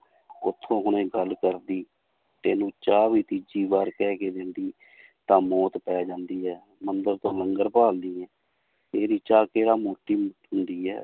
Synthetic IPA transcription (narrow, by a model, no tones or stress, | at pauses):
ʊt̪ʰːõːkʊñẽːɡəlkəɾd̪iː | t̪eːnũːt͡ʃaːʋiːt̪id͡ʒiːbaːɾkɛːkeːd̪end̪iː | t̪ãːmɔːt̪pɛːd͡ʒãːnd̪iːɦɛː | mənd̪əɾt̪õːləŋɡəɾpaːlniːɛ̃ː | eːɾiːt͡ʃaːkeːɾaːmoːʈːiːmɦʊnd̪iːɛ̰ː